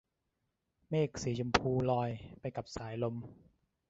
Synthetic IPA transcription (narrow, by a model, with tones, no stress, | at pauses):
meː˥˩k̚siː˩˦t͡ɕʰu˧mpʰuː˧lɔː˧jpa˧jka˨˩p̚saː˩˦jlo˧m